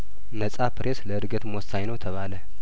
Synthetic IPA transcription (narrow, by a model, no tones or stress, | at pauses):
nəsʼapɾʔesləɨɾɡət̪mɔsaɲnəwt̪ʰəβalə